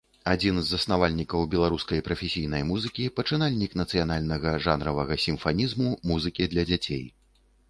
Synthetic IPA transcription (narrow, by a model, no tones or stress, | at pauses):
ad͡zʲinzːɐsnavalʲnʲikɐwbʲɛlˠaɾuskɐjpɾɐfʲesʲijn̪ɐjmuzɨkʲipɐt͡ʂɨnalʲnʲiknɐt̪sɨjanalʲnɐɣɐʐanɾɐvɐɣɐsʲimfanʲizmumuzɨkʲid̪lʲɐd͡zʲat͡sʲḛj